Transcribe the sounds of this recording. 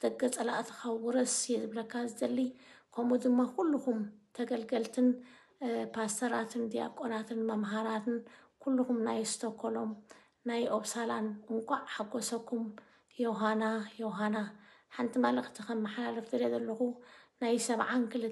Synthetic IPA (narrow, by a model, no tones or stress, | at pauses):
d̪̥ɐɡːɐt͡sʼɐlaʔt̪ʰɨ̥xawuɾɐsjɛzɨβlɐkʰːazɨd̪ɐlːikʰomud̪ɨmːakʰulːuxumt̪ʰɐɡɐlɡɐlt̪ʰɨn | pʰast̪ʰɐɾat̪ʰɨnd̪ija̰kʼonat̪ʰɨnmɐmɦaɾat̪ʰɨnkʰulːuxumnajst̪ʰɐkʰːolo̞m | najʔoβsalanɨŋkʷʼaʕħaɡːosɐkʰːum | joɦanajoɦanaħant̪ʰimalɐxt̪ʰixɐmːɐħalalɐft̪ʰɨɾezɐlːɐxunajsɐβʕankʰɨlɨ